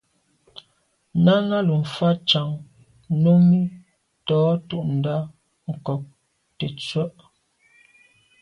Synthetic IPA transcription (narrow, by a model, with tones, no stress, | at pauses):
na˦ŋa˦lu˨m̩˨fa˦t͡ʃa˨ŋ | no˦mi˦ | tɔː˨˦tu˦ʔn̩˨da˦ | ŋ̩˨kɔ˨k̚ | te˨t͡swə˦ʔ